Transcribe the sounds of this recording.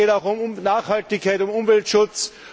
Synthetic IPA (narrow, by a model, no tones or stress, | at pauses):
eːɾaʊxʊmʊnaːxhaltɪçkʰːaɪtʊmʊmvɛltʃʊt͡s